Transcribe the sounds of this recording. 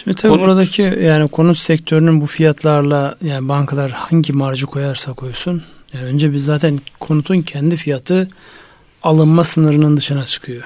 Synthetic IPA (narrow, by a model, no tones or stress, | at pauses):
ʃimd̪it̪ʰabːbuɾad̪acʰijaːnikʰo̞nut̪sɛct̪ʰø̞ɾynynbufijat̪ʰlˠaɾlˠajaːnibaŋkʰalˠaɾhaɲɟimaɾd͡ʒɯkʰo̞jaɾsakʰo̞jsun | jaːniø̞nd͡ʒɛbizːaːt̪ʰænkʰo̞nut̪ʰuncʰɛnd̪ifijat̪ʰɯ | alˠɯnmasɯnɯɾɯnɯnd̪ɯʃɯnat͡ʃʰɯ̥kʰɯjo̞